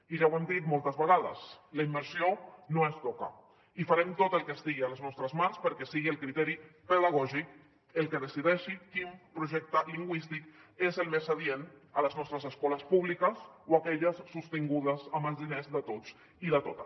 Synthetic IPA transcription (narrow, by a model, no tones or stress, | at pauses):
iʒawɛmd̪it̪molˠt̪əzβəɣ̞aðə̰sləimːəɾsionoest̪ɔkə̰ | ifaɾɛmt̪ot̪əlˠkəst̪iɣiələznɔst̪ɾəzmanspəɾkɛsiɣiəlˠkɾit̪ɛɾipəðəɣ̞ɔʒik | əlˠkəðəsiðɛʃikimpɾuʒɛk̚t̪əliŋɡwist̪ikezəlˠmezaðienələznɔst̪ɾəzəskɔləspuβ̞likəsoakɛʎəsːust̪iŋɡuðəzəmbəlzðinezðət̪ot͡s | iðət̪ot̪ə